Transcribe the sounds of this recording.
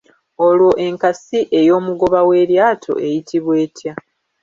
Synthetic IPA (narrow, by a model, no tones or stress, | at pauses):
o̞lwo̞ʔe̞ŋkasiʔe̞jo̞ːmuɡo̞βawe̞ːɾjaːtʰo̞̰ʔe̞jitiβwe̞ːtʰja